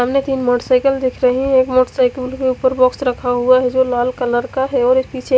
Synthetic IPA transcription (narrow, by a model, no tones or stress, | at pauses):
amnet̪iːnmɔːʈəsaɪkəld̪ekʰɾəɦiekmɔːʈəsaːɪkəlkeupəɾbɔksɾəkʰaɦuaɦɛd͡ʒolaːlkələɾkaɦɛɔːɾɪspit͡ʃʰe